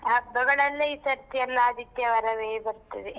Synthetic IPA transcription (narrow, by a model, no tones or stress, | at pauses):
ɦɐbɐɡɐɭɐlːɐiːsɐɾt̪ijɐlːɐɐd̪ʱit̪jɐʋɐɾɐʋeːbɐɾt̪ːɐʋe